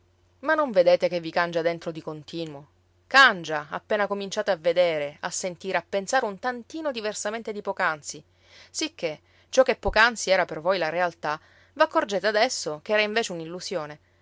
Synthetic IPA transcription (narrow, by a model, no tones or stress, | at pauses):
manːoɱved̪eːt̪ekevːikand͡ʒad̪ent̪ɾod̪ikont̪iːnwo | kand͡ʒaapːeːnakomint͡ʃaːt̪eavːed̪eːɾeasːent̪iːɾeapːensaːɾeunt̪ant̪iːnod̪iversament̪ed̪ipokansi | sikʰːe | t͡ʃɔkːepːokant̪siɛːɾapervojlaɾealt̪a | vakːord͡ʒeːt̪ead̪ɛsːokɛːɾaiɱveːt͡ʃeunilːusjoːne